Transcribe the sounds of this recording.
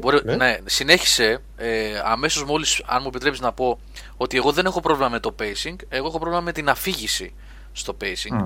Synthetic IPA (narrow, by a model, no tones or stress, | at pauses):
bo̞ɾinesine̞çi̥se̞ | eɐ̰me̞so̞zmo̞lisɐ̰nmue̞pit̪ɾe̞psiznɐpo̞ | o̞t̪ie̞ɣo̞ðe̞ne̞xo̞pɾo̞vlimɐme̞t̪o̞pe̞isiŋɡe̞ɣoexo̞pɾo̞vlimɐme̞t̪inɐfiʝisḭ | st̪o̞pe̞isiŋɡ